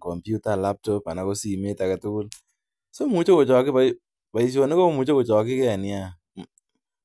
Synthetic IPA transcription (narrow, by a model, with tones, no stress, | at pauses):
kɔ˨mpju˦ta˦la˦p̚tɔ˦pa˨na˨ko˦si˨me˦ta˨ka˨tu˦kʊ˦l | so˦mu˨t͡ʃo˦ku˨t͡ʃɔ˨kɪ˦pa | pa˨i˨s̬jo˨ne˦ko˦mu˨t͡ʃo˦ku˨t͡ʃɔ˨kɪ˦kɛ˦a˨nɪ˦a˦˨